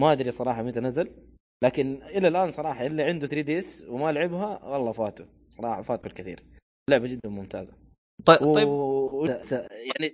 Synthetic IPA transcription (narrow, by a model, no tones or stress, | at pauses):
maʔad̪ɾisˤɑɾˤɑːħɑmɪt̪anazːal | laːkɪnʔɪlːalʔaːnsˤɑɾˤɑːħɑʔɪlːiʕɪnd̪ut̪ɾiːd̪iʔɪswɪmalʕɪbɦawɑlˤːɑːfaːt̪u̥ | sˤɑɾˤɑːħɑfaːt̪kɪlkɪθḭːɾ | lʊʕbad͡ʒɪd̪ːanmʊmt̪a̰ːza | t̪ˤːw̪ˤɑwasajaʕni